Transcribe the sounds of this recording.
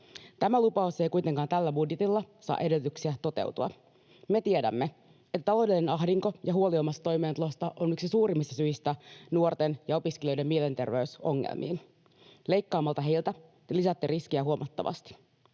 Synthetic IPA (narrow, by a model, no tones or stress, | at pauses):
t̪æmælupɑuse̞jkujt̪eŋkɑːnt̪ælːæbudjet̪ilːɑsɑ̰ːʔe̞delyt̪yksiæt̪o̞t̪ḛwt̪uɑ̰ | met̪iedæ̰mːe | et̪ːæt̪ɑlo̞wde̞linenɑɦdiŋko̞jɑhuoliomːɑst̪ːɑt̪o̞jmeːnt̪ulost̪ɑʔonyksisuːrimːist̪ɑsyjist̪ænuort̪enjɑo̞piskeliø̞jde̞mːiele̞nt̪e̞̰rʋe̞yso̞̰ŋːḛlmʔḭːn | le̞jkːɑːmːɑlt̪ɑɦe̞jlt̪æ | lisæt̪ːeriskiæɦuomʔɑt̪ːɑ̰ʋɑ̰st̪i̥